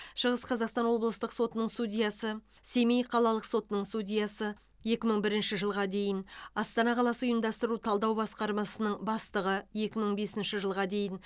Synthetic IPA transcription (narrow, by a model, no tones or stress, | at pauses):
ʃəʁəsqʰɑzɑqst̪ɑnwo̞blˠəst̪əqso̞t̪ənəɴst̪ud̪ʲijɑsə | se̞mejqʰɑlˠɑlˠəqso̞t̪ənəɴsud̪ʲijɑsə | je̞kʲɪməɴbɪɾɪnʃɪʒəlˠʁɑd̪e̞jɪnɑst̪ɑnɑqʰɑlˠɑsəʊjəmd̪ɑst̪əɾut̪ʰɑlˠd̪ɑwbɑsqɑɾmɑsənəɴbɑst̪əʁəje̞kʲɪməɴbe̞sɪnʃɪʒəlˠʁɑd̪e̞jɪn